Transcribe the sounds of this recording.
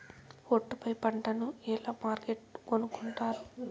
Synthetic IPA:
oʈːupɐjpɐɳʈɐnuɛːlaːmaːɾɡeʈkonukuɳʈaːɾu

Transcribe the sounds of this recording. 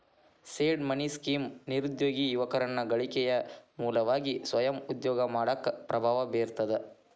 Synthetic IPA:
seːɖmɐniskiːmniɾud̪joːɡijuʋɐkɐɾɐnːɐɡɐɭikɛjɐmuːlɐʋaːɡisʋɐjɐmud̪jɔːɡɐmaːɽɐkːpɾɐbʱaːʋɐbeːɾt̪ɐd̪e

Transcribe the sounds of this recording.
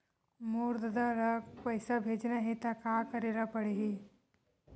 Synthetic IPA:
muːɾd̪d̪aɾɐkpɐɪsabʱeːd͡ʒnaɦit̪akaːkɐɾeːɾapɐɽeɦi

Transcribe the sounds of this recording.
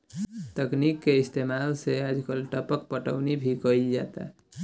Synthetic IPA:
t̪əknikːeist̪emalsead͡ʒkəlʈəpək̚pəʈəʊnibʱikəid͡ʒa̰t̪a̰

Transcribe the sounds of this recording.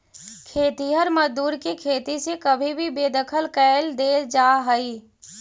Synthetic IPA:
kʰeːt̪iɦəɾməd͡ʒd̪uːɾkekʰeːt̪isekəbʱibʱibeːd̪əkʰəlkɛːld̪eːd͡ʒaːɦəi

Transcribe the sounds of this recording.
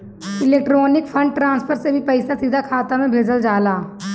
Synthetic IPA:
ɪleːk̚ʈɾoːnɪkfʰɐ̃ɳɖ̚ʈɾãːnspʰəɾsebʱipɐɪsasiːd̪ʱakʰaːt̪amẽbʱeːd͡ʒəld͡ʒaːlaː

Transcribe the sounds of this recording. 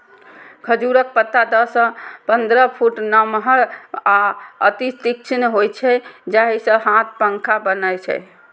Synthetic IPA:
kʰəd͡ʒuɾək̚pət̪ːad̪əsə̃pənd̪ɾəpʰuʈnəmɦəɾaə̰t̪it̪ik̚t͡ʃʰinɦojt͡ʃʰɛd͡ʒaɦisə̃ɦãt̪̚ʰpəŋkʰabənəjt͡ʃʰɛ̰

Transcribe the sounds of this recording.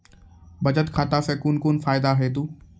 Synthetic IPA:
bɐd͡ʒət̪kʰaːt̪asekunkunfaːjd̪aɦeːt̪̬uː

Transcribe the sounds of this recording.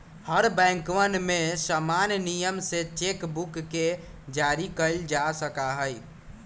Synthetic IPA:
həɾbɛ̃ːŋkʋənmẽsamanjnijəmset͡ʃekbukːe | d͡ʒaɾikəld͡ʒasəkaɦəi

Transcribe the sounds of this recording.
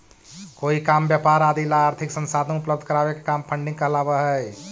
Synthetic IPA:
koikambjapaɾad̪ilaːɾt̪ʰiksə̃nsad̪ə̃upləb̚d̪ʱəkəɾabekekampʰəɳɖĩŋɡkəɦlabəɦəj

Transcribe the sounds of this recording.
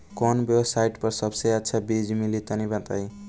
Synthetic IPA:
kɔnbjebsajʈpʌɾsʌbsejatːsʰabid͡zmilit̪ʌnibãt̪aj

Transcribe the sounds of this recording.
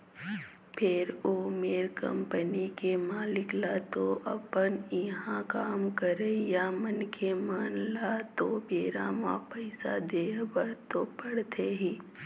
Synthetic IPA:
pʰɪɾoːmeːɾkə̰̃mpənikemaːlɪklat̪oʔɐpənɪɦãkaːmkəɾejamənkʰemaːnlat̪obeːɾamã̰pəɪsa̰d̪eːbəɾt̪opəɽt̪ʰeɦĩː

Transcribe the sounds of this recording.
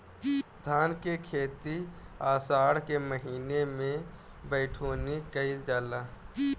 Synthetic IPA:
d̪ʱaːnkekʰeːt̪iaːsaːɽkeməɦiːnemẽ | bəɪʈʰoːnikəɪld͡ʒaːlaː

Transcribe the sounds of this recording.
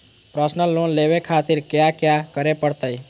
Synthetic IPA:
pɾəsnəlːoːnleːʋekʰaːt̪ɪɾkjakjakəɾepəɽt̪əi

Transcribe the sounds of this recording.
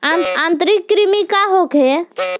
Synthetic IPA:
aãnt̪ɾikːɾimikaɦoke

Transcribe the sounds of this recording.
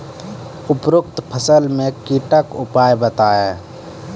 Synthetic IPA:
ʊpɾʊk̚t̪pʰəsəlmẽkiʈəkʊpaːjbət̪aːe

